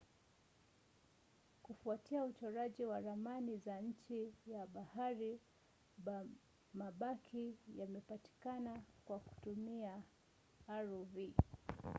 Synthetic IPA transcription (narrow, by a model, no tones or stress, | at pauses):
kufuatiaut͡ʃɔɾaʄiwaðamanizaɲ̩t͡ʃijaɓahaɾi | maɓakʰijamɛpati̥kanakwaku̥tumiaː | ɾuvi